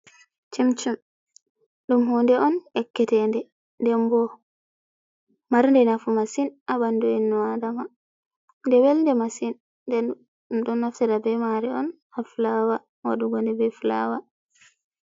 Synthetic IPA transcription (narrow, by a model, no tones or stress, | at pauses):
t͡ʃemt͡ʃum | ɗumɦɔndɛɔnɛkːɛtɛndɛ | ndɛmbɔ | maɾndɛnafumasinʔabanduinːuadama | ndɛwɛlndɛmasinː | dɛ | ɗunːaftɛɾabɛmaɾɛɔn | haflawa | wa̰ɗuɡɔndɛbɛfla̰wa